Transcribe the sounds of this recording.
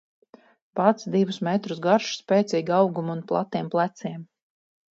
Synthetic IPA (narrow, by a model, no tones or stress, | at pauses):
pat̪sd̪ivusmɛt̪ɾusɡaɾʃspʲɛːt̪siːɡʲawɡumunplˠa̰t̪ːiɛmplˠæt̪siɛm